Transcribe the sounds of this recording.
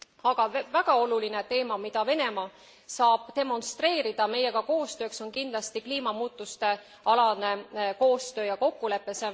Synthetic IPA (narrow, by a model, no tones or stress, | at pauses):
ɑɡ̥ɑvæɡ̥ɑo̞luline̞t̪e̞ːmɑmid̪̥ɑve̞ne̞mɑ | sɑːb̥̚t̪e̞mo̞nst̪re̞ːɾid̪̥ɑme̞je̞ɡ̥ɑko̞ːst̪ø̞ːkso̞nkind̪̥lɑst̪ikliːmɑmuːt̪ːˑust̪e̞ | ɑlɑne̞ko̞ːst̪ø̞ːjɑko̞kːule̞pːˑe̞se